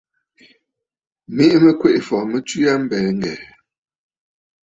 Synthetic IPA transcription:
me˦ʔmə˦kwe˦˨ʔfɔ˨mə˦ti˦ja˦m̩˦bɛː˨ŋ̩˦ɡɛ̰˨

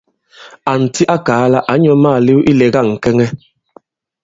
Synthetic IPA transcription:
a˨n̩˨ti˦ʔa˦kaː˨˦la˦ʔa˨˦ɲɔ˦ma˦˨li˦ʔi˦lɛ˨ɣa˦˨ŋ̩˨kɛ˦ŋɛ˦

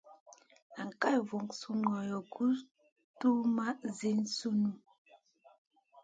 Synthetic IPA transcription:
a˨ŋ˨ka˦jvo˨ŋsu˦ŋɔ˨jɔ˨ɡu˦ | tu˦ma˦ze˦n̩˦su˦nu˦˨

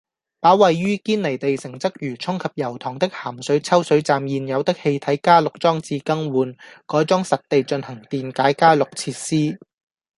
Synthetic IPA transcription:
paː˨˥wɐ˨jɥyː˥kiː˥nle˨˩jt̪e˨jsɪ˨˩ŋt͡sɐ˥k̚jyː˨˩t͡sʰʊ˥ŋkʰɐ˨p̚jɐ˨˩wt̪ʰɔː˨˩ŋt̪ɪ˥k̚haː˨˩msɵ˨˥ɥt͡sʰɐ˥wsɵ˨˥ɥt͡saː˨mjiː˨njɐ˨˧wt̪ɪ˥k̚he˧jt̪ʰɐ˨˥jkaː˥lʊ˨k̚t͡sɔː˥ŋt͡siː˧kɐ˥ŋwuː˨˧nkɔː˨˥jt͡sɔː˥ŋsɐ˨t̚t̪e˨jt͡ʃɵ˧nhɐ˨˩ŋt̪iː˨nkaː˨˥jkaː˥lʊ˨k̚t͡sʰiː˧t̚siː˥

